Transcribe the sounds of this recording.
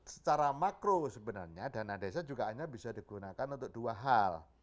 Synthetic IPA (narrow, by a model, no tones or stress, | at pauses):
sə̥t͡ʃaɾamakɾosəbənarɲadanadesad͡ʒuɡaaɲabisadiɡ̥unakanunt̪̬ʊk̚d̥uaɦal